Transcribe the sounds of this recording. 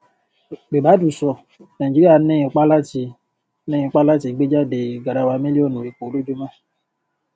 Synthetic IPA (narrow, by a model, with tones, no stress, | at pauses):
ɡ͡be˨ba˨˦du˨sɔ˨ | na˨d͡ʒi˦i˦a˨˦nɛ̃˦˨k͡pa˦la˦ti˧ | nɛ̃˦˨k͡pa˦la˦ti˨ɡ͡be˦d͡ʒa˦de˨ɡa˨ɾa˨wa˧mẽ˦li˦ɔ˦nõ˨e˨k͡po˨˦lo˦du˦mã˦